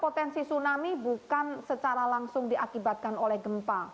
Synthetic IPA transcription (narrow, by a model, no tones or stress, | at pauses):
pot̪ɛnsisunamibukansət͡ʃaɾalaŋsʊŋdiʔakibat̪̚kanolɛhɡəmpa